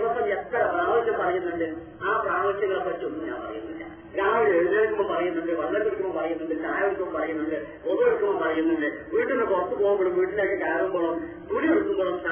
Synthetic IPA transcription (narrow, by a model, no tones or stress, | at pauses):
ɽɐsːɐmet̪ːɐpraːʋikʲːɐmpɐrɐjunːuɳɖɨ | aːpraːmɐsjɐŋːɐɭɐpːɐt͡ɕːonːuɲa̰ːnpɐ̰rɐ̰junːilːɐ̰ | ɾaːmileɻuðeːɭikʲːumːompɐrɐjunːuɳɖɨʋɐɭːɐkːuɽikʲːumːompɐrɐjunːuɳɖɨt̪aːjɐʋɐlikːumɐmpɐrɐjunːuɳɖɨ | oðueɽukʲːumɐmpɐrɐjunːuɳɖɨʋiːʈːinːɨkurɐt̪ːupoːɣumboɽumʋiːʈːileːkːɨkaːɐnumboːɭum | kuɽijeɽuk̪ːumboːɭumsa